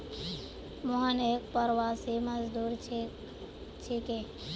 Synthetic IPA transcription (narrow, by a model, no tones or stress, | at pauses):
mɔɦənek̚pəɾwaseməzd̪uːɾ | t͡ʃʰike